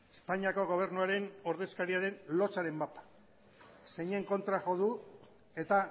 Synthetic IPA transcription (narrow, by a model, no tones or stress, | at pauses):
espaɲiako̞ɣ̞o̞β̞e̞ɾnuaɾe̞no̞ɾðe̞skaɾiaɾe̞nlo̞t͡saɾe̞mbapḁ | se̞ɲe̞ŋko̞nt̪ɾaʝo̞ðu | e̞t̪a